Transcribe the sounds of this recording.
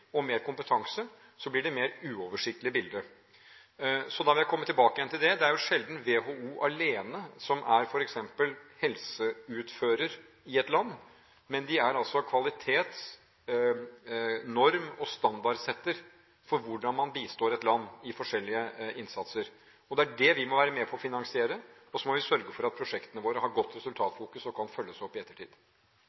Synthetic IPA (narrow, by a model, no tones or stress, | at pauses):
ɔmeːɾkʊmpət̪ʰɑŋsə | sɔblɪɖɛmeːɾʉːɔːʋəʂɪk̚t̪əlɪəbɪld̪ə | sɔd̪ɑʋɪljæɪkʰɔmːət̪ʰɪlbɑːkəjɛnt̪ʰɪld̪ɛd̪ɛæɾjʊʂɛld̪n̩ʋeɦouːʔɑleːnəsɔmʔæɾfɔɾɛksɛmpəlhɛlsəʉːt̪føːɾəɾ | ɪɛt̪lɑnː | mɛnd̪ɪæɾɑlsɔkʰʋɑlɪt̪ʰeːt̪s | nɔɾmɔst̪ɑnd̪ɑɾsɛt̪ːəɾ | fɔɾʋʊɖɑnmɑnbiːst̪oːɾɛt̪lɑnːɪfɔʂɛlːɪəɪnsɑt̪səɾ | ɔd̪ɛæɖɛʋɪmɔʋæːɾəmɛpʰɔɔfɪnɑŋsɪeːɾəɔsɔmɔʋɪsœɾɡəfɔɾɑt̪̚pʰɾʊʂɛkt̪ənəʋoːɾəhɑɾɡɔt̪ːɾɛsʉlt̪ʰɑːt̪fuːkʉsɔkʰɑnfœlːəsæɔpːɪɛt̪ːəʈʰḭːd̪